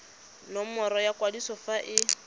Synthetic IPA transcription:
nɔmɔɾɔjakʼwadisɔfaʔɪ

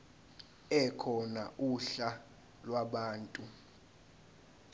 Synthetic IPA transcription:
ɛkʰɔna̰uɬa | lwaɓaːntʼu

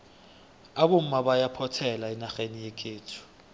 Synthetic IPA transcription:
aɓom̩maɓajapʰɔtʰɛlainaxenijekʰeːtʰu̥

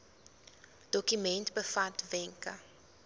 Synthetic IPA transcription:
d̥okymɛ̃nt̪bəfatvɛ̃ŋkɐ

